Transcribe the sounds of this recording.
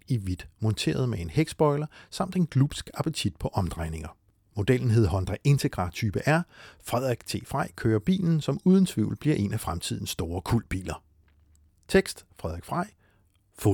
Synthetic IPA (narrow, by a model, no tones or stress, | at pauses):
iʋid̥mɔ̽nt͡sʰe̝̰ːɐð̞ˠmee̝nheɡ̥sb̥ɒ̽ɪlɐsɑ̈m̰d̥e̝nɡ̥lub̥sɡ̥ɑ̈pʰət͡sʰid̥̚pʰɒ̽ʔɒ̽md̥ʁɑ̈ɪne̝ŋɐ | mo̝d̥el̰n̩ɦe̝ð̰ˠɦɒ̽nd̥ʁɛʔe̝nt͡sʰe̝ɡ̥ʁɑ̈t͡sʰyːb̥əʔæɐ̰fʁɛð̰ˠʁɛɡ̥̚t͡sʰe̝̰ːfʁɑɪ̰kʰøːɐb̥ḭːln̩sɒ̽muːð̞ˠən̩t͡sʰʋḭʊ̰l̩b̥liɐʔe̝næfʁamt͡sʰið̞̰ˠn̩sːd̥o̝ːɐkʰul̰d̥̚b̥ḭːlɐ | t͡sʰeɡ̥sd̥fʁɛð̰ˠeɡ̥fʁɑɪ̰ | fo